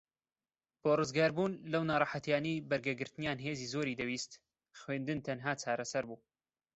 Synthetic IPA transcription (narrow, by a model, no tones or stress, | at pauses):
b̥oːrɨzɡaːɾbuːnlɐwnaːɾˤɑħat̪jaːnejbɐɾɡɐɡɨɾt̪ɨnjaːnɦeːziːzoːɾiːd̪ɐwiːst̪ | xweːnd̪ɨnt̪ʰɐnɦaːt͡ʃʰaːɾɐsɐɾbuː